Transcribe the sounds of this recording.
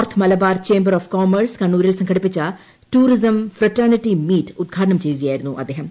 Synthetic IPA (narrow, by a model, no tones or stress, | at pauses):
rt̪ʰmɐlɐbaːrt͡ɕe̞ːmbɐɾoːfkoːmɐrskɐɳːuːɾilsɐŋkʰɐɽipːit͡ɕːɐ | ʈuːrisɐmfrɐʈɐrniʈːimiːtːud̪̚ɡʰʱaːʈɐɳɐmt͡ɕe̞jːuɣɐjaːjiɾunːuʔɐ̰d̪ːeːɦɐm